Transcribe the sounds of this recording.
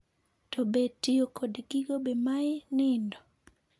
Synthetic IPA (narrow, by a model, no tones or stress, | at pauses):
tobetiokʰodɡiɡobemaɪnɪndɔ